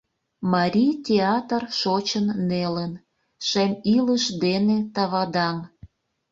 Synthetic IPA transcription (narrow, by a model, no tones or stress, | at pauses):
mɑɾʲijt̪ʲeɑt̪ərʃot͡ɕənːelən | ʃemiləʃd̪enet̪ɑβɑd̪ɑŋ